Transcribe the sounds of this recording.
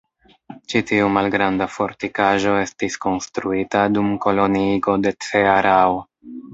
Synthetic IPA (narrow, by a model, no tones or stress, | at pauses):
t͡ʃitiumalɡɾandafo̞ɾtikaʒo̞e̞stisko̞nstɾuitadumko̞lo̞niɡo̞de̞t͡seaɾao